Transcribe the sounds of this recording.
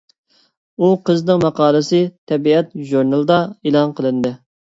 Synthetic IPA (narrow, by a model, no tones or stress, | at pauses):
uqəznɨŋmɑqʰɑːlˠɨsɨt̪ʰɛbiɛt̪ʒuɾnɑlˠd̪ɑelˠɑnqʰəlˠɨnd̪ɨ